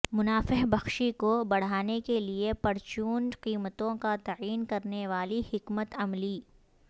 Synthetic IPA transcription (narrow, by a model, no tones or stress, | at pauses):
mʊnaːfəɦbɐxʃikobɐɽ̤aːnekeliepɐɾt͡ʃuːnqiːmət̪õkat̪aiːnkɐɾneʋaːlihɪkmət̪ɐmliː